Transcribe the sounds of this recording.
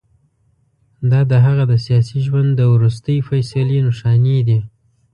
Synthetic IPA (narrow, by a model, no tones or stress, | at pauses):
d̪ɑd̪əɦaɣad̪əsjɑsiʒwand̪ːəwɾus̬t̪əjfajsalenʊʃɑned̪i